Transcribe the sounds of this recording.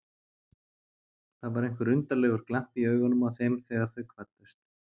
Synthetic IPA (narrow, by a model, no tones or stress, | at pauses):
θaðvaɾejŋ̥kʏɾʏnt̪alɛɣʏɾ̥klam̥piœːɥɣanːʏmawθejmθɛːɣaɾ̥θœɥkʰvat̪ːʏst̪